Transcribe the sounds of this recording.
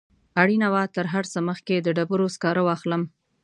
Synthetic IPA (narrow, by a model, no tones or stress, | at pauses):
aɽinawat̪əɾɦaɾsəməxked̪əɖabəɾoskɑɾəwɑxləm